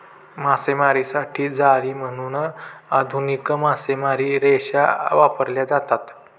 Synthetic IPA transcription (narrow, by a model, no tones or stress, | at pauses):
masemaɾisaʈʰiːd͡zaɽiːm̤əñunəad̪ʱunikəmasemaɾiɾeɕaʋapəɾljad͡zat̪at̪